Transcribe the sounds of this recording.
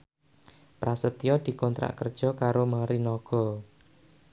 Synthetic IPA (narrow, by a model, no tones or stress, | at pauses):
pɾʔasət̪ijɔd̪̥i̤kɔnt̪ɾa̰ʔkərd̥ʒ̥ɔ̤kaɾomaɾinɔɡ̥ɔ